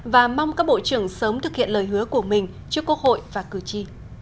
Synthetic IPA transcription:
vaː˨˩ma˧wŋ͡mkaː˦˥k̚ɓo̰˧˨t͡ɕɨ˧˩əŋsəː˨˦mt̪ʰɨ˨˩k̚hḭ˧˨ənləː˨˩jɦɨ˨˦əku˧˩əmï˨˩ŋ̟ | t͡ɕəkə˧ho̰˧˨jvaː˨˩kɨ˨˧˩t͡ɕi˧

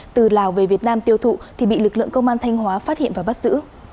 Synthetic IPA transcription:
t̪ɨ˨˩laː˨˩wve˨˩vi˨˩ət̚naː˧mt̪i˧əwt̪ʰṵ˧˨t̪ʰi˨˩ɓḭ˧˨lɨ˨˩k̚lɨ̰˧˨əŋkə˧wŋ͡mʔaː˧nt̪ʰa˧jŋ̟ɦwaː˨˦faː˦˥t̚hḭ˧˨ənvaː˨˩ɓa˦˥t̚zɨ̰˧˥

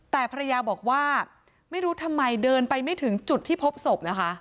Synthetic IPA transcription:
t̪ɛː˨˩pʰa˧ɾa˧jaː˧bɔː˨˩k̚waː˥˩ | ma˥˩jɾuː˦˥t̪ʰa˧mːa˧jdɤː˧npa˧jma˥˩jt̪ʰɯ˩˦ŋt͡ɕu˨˩t̪ʰːiː˥˩pʰo˦˥p̚so˨˩p̚na˦˥kʰa˦˥ʔ

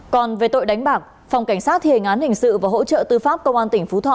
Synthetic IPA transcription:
kɔ˨˩nve˨˩t̪o̰˧˨jɗa˨˦jŋ̟ɓaː˨˩k̚ | fwŋ͡mka˧˩ŋ̟saː˦˥t̚hi˧˩˨ŋ̟ʔaː˨˦nhï˨˩ŋ̟sɨ̰˧˨vaː˨˩ɦo̰˧˥t͡ɕə̰ː˧˨t̪ɨ˧faː˦˥p̚kə˧wŋ͡mʔaː˧nt̪ï˧˩ŋ̟fu˨˦t̪ʰw̰

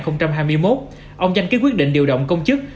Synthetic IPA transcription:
xə˧wŋ͡mt͡ɕa˧mɦaː˧jmɨ˧əjmo˦˥t̚ | ʔə˧wŋ͡mza˧jŋ̟kːaː˨˦kwi˦˥ət̚ɗḭ˧˨ŋɗi˧˩əwɗə̰˧˨wŋ͡mkə˧wŋ͡mt͡ɕɨ˦˥k̚

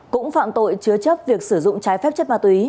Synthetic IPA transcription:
kʊ̰˧˥ŋ͡mfa̰ː˧˨mt̪o̰˧˨jt͡ɕɨ˨˦ət͡ɕə˦˥p̚vi˨˩ək̚sɨ˧˩zʊ̰˧˨ŋ͡mt͡ɕaː˨˦jfɛ˦˥p̚t͡ɕə˦˥t̚maː˧˩t̪wi˨i˨˦

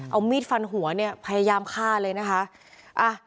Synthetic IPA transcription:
ʔa˧wmiː˥˩t̪̚fa˧nɦu˨˩˦ɐni˥˩ɐpʰa˧ja˧jaː˧mkʰaː˥˩lɤː˧jna˦˥kʰa˦˥ʔ | ʔa˧˩

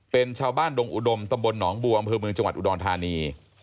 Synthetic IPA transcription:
pe˧nt͡ɕʰaː˧wbaː˥˩ndo˧ŋʔu˨˩do˧mt̪a˧mbo˧nːɔː˩˦ŋbuː˧˩ʔa˧mpʰɤː˧mɯ˧ŋt͡ɕa˧ŋwa˨˩t̪ʔṵ˨dɔː˧nt̪ʰaː˧niː˧

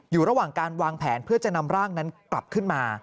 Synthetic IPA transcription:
juː˨˩ɾa˧waː˨˩ŋkaː˧nwaː˧ŋpʰɛ̰ː˩˦npʰɯ˥˩ɐt͡ɕa˨˩na˧mɾaː˥˩ŋna˦˥nkla˨˩p̚kʰɯ˥˩nmaː˧

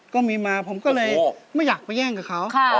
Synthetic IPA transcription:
kɔː˥˩miː˧maː˧pʰo˩˦mkɔː˥˩lɤː˧jma˥˩jaː˨˩k̚pa˧jɛː˥˩ŋkaː˨˩kʰa˦˥wkʰ

